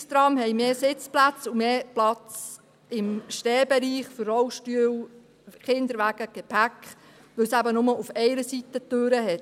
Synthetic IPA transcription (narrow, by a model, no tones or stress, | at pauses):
st̪ɾɑmhɛɪmeːsɪt͡splæt͡sumeːplɑt͡s | ɪmʃtɛːbɛɾiːχfərːɔwʃtyːw | χɪnd̪əɾʋæɡ̥əɡ̥epʰækχ | ʋɵwsæbənʊməʔufɛɪɾəsit̪ət̪øːɾəhɛt